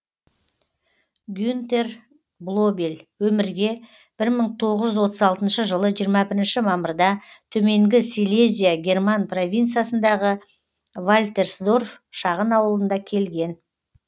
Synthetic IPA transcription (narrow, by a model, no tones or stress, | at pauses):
ɡʲjunt̪e̞r | blˠo̞belwɵmɪɾɡʲe̞ | b̥ɪɾməɴt̪ʰo̞ʁəʒʏzwo̞t̪əzɑlˠt̪ənʃəʒəlˠəʒijəɾmɑbɪɾɪnʃɪmɑməɾd̪ɑt̪ʰɵme̞ŋɡʲɪsilʲezʲijaɡʲe̞rmanpro̞vʲint̪sijasənd̪ɑʁə | valʲt̪e̞rsd̪o̞rf | ʃɑʁənɑwlˠənd̪ɑkʲʰe̞lɡʲe̞n